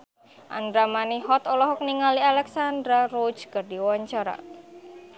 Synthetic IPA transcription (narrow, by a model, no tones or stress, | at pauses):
ʔa̰nd̪ɾamaniɦɔt̪ɔlɔɦɔk̚niŋalialɛksand̪ɾarod͡ʒkərdiwaɲt͡ʃaɾa̰